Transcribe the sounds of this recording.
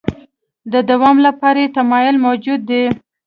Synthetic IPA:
d̪əd̪awɑmlapɑɾet̪amɑjʊlmawd͡ʒud̪ːe

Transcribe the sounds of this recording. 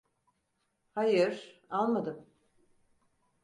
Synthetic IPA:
hajɯɾ̥alˠmad̪ɯm

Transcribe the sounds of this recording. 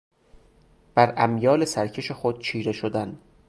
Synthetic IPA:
b̥æɾʔæmjɒːlesæɾcʰe̞ʃexod̪̥̚t͡ʃʰiːɾeʃod̪æn

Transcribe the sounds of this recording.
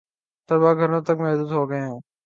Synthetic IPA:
t̪əbaːɡʱəɾnãːt̪əkmɛɦd̪uːd̪ɦoːɡəeɦãː

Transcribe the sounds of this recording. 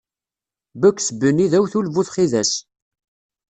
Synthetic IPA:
bækʷːsbənːiðæwθulvuθχiðæs

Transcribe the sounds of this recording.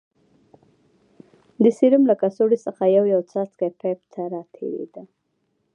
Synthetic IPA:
d̪əsiɾumlakasoɽisəxajawjawt͡sɑt͡skapap̚t̪ʰaɾɑt̪ʰḛɾḛd̪a

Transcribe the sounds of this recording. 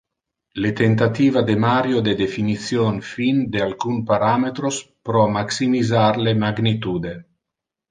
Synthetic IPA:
let̪ent̪at̪iːvad̪emaɾjod̪ed̪efinit̪sjonfind̪ealkunpaɾamet̪ɾospɾɔmaksimizaɾlemaɡnit̪uːd̪e

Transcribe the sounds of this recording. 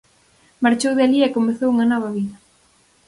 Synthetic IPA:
maɾt͡ʃowðealiɛkomeθowuŋɐnɔβ̞ɐβiðɐ

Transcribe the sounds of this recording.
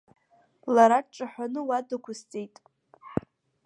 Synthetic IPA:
laɾaʈ͡ʂʼaħʷᶣanɨwadakʷʰʊst͡sʼejtʼ

